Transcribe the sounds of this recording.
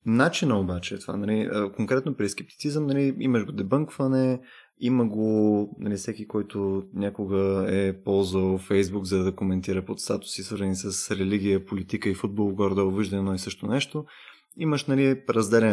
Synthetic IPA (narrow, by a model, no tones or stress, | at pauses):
nat͡ʃinəobat͡ʃɛːt̪ova̰nɐliəkoŋkɾɛt̪nopɾiskɛp̚t̪i̥t̪sizəmnɐliiməʃɡod̪ɛbɤŋkvɐnɛ | iməɡonɐlifsɛkikɔjt̪onʲakoɡəɛpɔlˠzəwˠfɛjzbukzɐd̪d̪ɐkomɛnt̪iɾəpot̪st̪at̪ʊ̥sisvəɾzɐnisəsɾɛliɡ̟ʲijəpolit̪ikəifud̪̚bolˠoɡɔɾd̪əoviʒd̪ɐnɛnɔisɤʃt̪onɛʃt̪o | iməʃnɐliɾɐzd̪ɛlʲɛ